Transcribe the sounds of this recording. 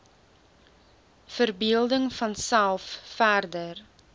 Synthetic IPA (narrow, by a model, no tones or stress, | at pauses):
fərbiəlˠdəŋfɐnsælˠffærdər